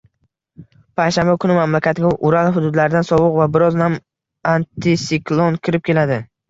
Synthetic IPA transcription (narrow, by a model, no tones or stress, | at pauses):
pʰajʃambakʰʊnɪmamlakʲʰat̪ɪɡʲaʔʊɾalˠɦʊd̪ʊd̪laɾɪd̪ansɒwʊqvabɪɾɒznam | ant̪ʰɪsɪklˠonkʲʰɪɾɪp̚kʲe̞lad̪ɪ